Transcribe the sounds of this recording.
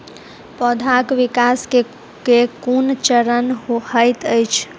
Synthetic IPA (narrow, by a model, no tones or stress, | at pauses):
pɔd̪ʱakʋikaske | kekunt͡ʃəɾənɦohəjt̪əjt͡ʃʰ